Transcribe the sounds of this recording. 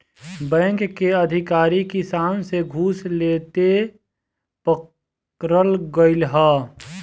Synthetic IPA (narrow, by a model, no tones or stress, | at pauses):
bɛ̃ːŋkkːeəd̪ʱɪkaːɾikisaːnseɡʱuːsleːt̪e | pək | ɾəlɡəɪlɦaː